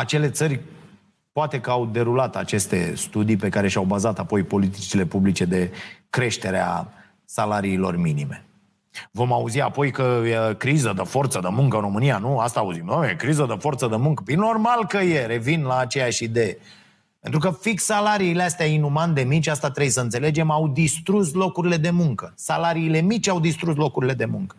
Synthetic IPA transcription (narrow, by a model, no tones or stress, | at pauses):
at͡ʃe̞le̞t̪sərʲ | poat̪e̞kəawd̪e̞ɾulat̪a̰t͡ʃe̞st̪e̞̰st̪ud̪ijpe̞kaɾe̞ʃawbazat̪apo̞jpo̞lit̪it͡ʃile̞publit͡ʃe̞d̪e̞kɾe̞ʃt̪e̞ɾea̰ | salaɾiːlo̞̰rminime̞ | vo̞mauziapo̞jkəjkɾizəd̪əfo̞rt̪səd̪əmuŋkəɨnro̞mɨnijanuast̪aːuzimoḛkɾizəd̪əfo̞rt̪səd̪əmuŋkə̥pinːo̞rmalkəje̞ɾe̞vinlaːt͡ʃe̞jaʃid̪e̞je | pe̞nt̪ɾukəfiksalaɾiːleast̪eainumand̪e̞mit͡ʃʲast̪at̪ɾebjsəɨnse̞le̞d͡ʒe̞mawd̪ist̪ɾus̬lo̞kuɾile̞d̪e̞muŋkəsalaɾiːle̞mit͡ʃʲawd̪ist̪ɾus̬lo̞kuɾile̞d̪e̞muŋkə̥